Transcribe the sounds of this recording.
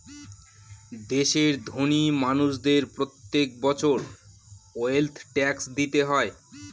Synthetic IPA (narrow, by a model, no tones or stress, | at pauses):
d̪eʃeɾd̪ʱonimanuʃd̪eɾpɾot̪ːek̚bɔt͡ɕʰoɾ | oelt̪ʰʈɛksd̪it̪eɦɔe